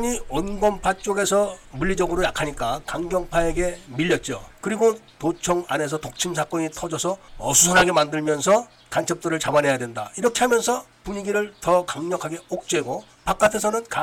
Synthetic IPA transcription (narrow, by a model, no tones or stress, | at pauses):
ɲiʌnɡʌmpʰat͡ɕ͈oɡe̞sʰʌmuʎːid͡ʑʌɡɯɾojakʰaɲik͈akaŋɡjʌŋpʰaeɡe̞miʎːʌt̚t͡ɕ͈o̰kɯɾiɡo | tot͡ɕʰʌŋa̰ne̞s̬ʰʌtok̚t͡ɕʰimsʰak͈ʌɲitʰʌd͡ʑʌsʰʌʌsʰusʰanɦaɡe̞mandɯɭmjʌnsʰʌ | kant͡ɕʰʌp̚t͈ɯɾɯɭt͡ɕabanɦe̞jadwe̞nda̰iɾʌkʰe̞ɦamjʌnsʰʌpuɲiɡiɾɯɭtʌkaŋɲʌkʰaɡe̞ok̚t͡ɕ͈we̞ɡo | pak͈atʰe̞sʰʌnɯnka